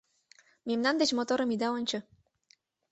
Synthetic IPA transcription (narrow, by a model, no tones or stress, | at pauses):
memnɑnd̪et͡ɕmot̪oɾɤ̆mid̪ɑonʲt͡ɕɤ̆